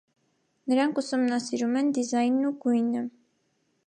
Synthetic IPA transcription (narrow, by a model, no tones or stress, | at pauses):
nəɾɑŋkʰusumnɑsiɾumɛnd̪izɑjnːuɡujnə